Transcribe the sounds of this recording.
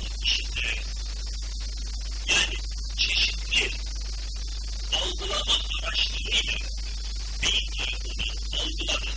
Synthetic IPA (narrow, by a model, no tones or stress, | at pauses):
ɯk̪iʃind̪eɾɾ | jaːnɪ | t͡ʃʰe̞ʃit̪lʲi | alˠɡɯlˠamaaɾaʃlˠɯɾɯjlʲa | b̪ejinʲɛɾona | alˠɡɯlˠama